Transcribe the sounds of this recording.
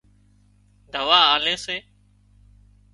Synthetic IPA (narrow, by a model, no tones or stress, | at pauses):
d̪əʋaːaːleːseː